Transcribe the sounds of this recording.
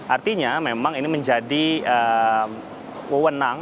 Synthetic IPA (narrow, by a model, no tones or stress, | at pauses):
ʔart̪iɲamemaŋiniməɲd͡ʒadiəm | wəwənaŋ